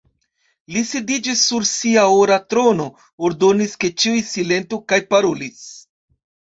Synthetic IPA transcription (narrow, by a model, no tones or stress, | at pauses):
lisidid͡ʒisːuɾsiaoɾatɾo̞no̞ | oɾdo̞niske̞t͡ʃiujsile̞ntokajpaɾolis